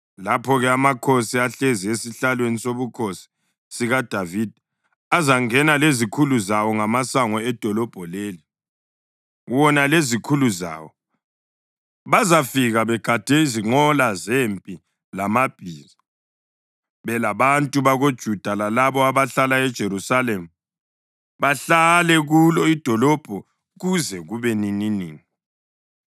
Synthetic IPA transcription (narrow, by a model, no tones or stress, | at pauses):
lapʰɔɣɛamakʰosiaɬeziesiɬalwenisoβukʰosi̥ | siɣad̥ʱavid̥ʱi | azaŋɛnalezikʰuluzawɔŋamasaŋɔɛd̥ʱɔlɔb̥ʱɔleːli | wɔnalezikʰuluza̰ːwɔ | βazafiɣaβɛɡ̥ʱad̥ʱɛiziŋ͡ǃɔlazempʼi | lamab̥ʱiːzi | βɛlaβantʼuβaɣod̥ʒ̥ʱud̥ʱalalaβɔaβaɬalaɛd̥ʒ̥ʱeɾusalem̩ | βaɬalɛɣulɔid̥ʱɔlɔb̥ʱɔ | ɣuzɛɣuβɛnininiːŋi